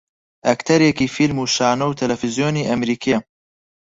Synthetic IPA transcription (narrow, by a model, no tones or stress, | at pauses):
ʔɐkt̪ʰɐɾjɛkiːfilmuːʃaːnɐwt̪ʰɐlɐfizjoːniːʔɐmɾiːkʰie